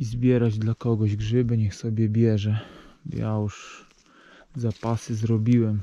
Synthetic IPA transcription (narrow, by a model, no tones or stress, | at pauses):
izbʲjɛɾad͡ʑd̪lakɔɡɔʑɡʐɘbɘɲɛxsɔbʲjɛbʲjɛʐɛ̰ja̰juʂ | zapasɘzɾɔbʲiwɛm